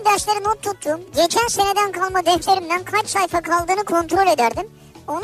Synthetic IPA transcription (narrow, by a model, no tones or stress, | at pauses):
d̪aʃlˠaɾɯnot̪ʰːut̪ʰːuːmɟet͡ʃʰænse̞ne̞d̪ænkʰalˠmad̪ɛft̪lʲe̞ɾind̪ænkʰat͡ʃsajfakʰalˠd̪ɯːnɯkʰo̞nt̪ɾo̞lʲed̪æɾd̪im | o̞n